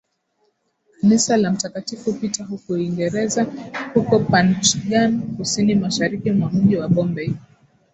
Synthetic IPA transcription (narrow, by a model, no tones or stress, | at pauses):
kanisalam̩takatifupitaɦukuiŋɡɛɾɛzahukɔpant͡ʃɠankusinimaʃaɾikimwam̩ʄiwaɓɔmbɛi